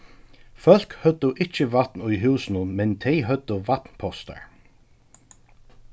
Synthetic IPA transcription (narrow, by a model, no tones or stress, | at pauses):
fœl̥khœd̪əʔɪt͡ʃəvat̪nʊjɦuːsnʊnmɛnt̪ʰɛjɦœd̪̥əvat̪npʰɔst̪a̰ɹ